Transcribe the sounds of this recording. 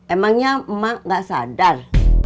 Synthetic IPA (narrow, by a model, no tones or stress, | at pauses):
memaŋɲam̩maŋɡasa̰dar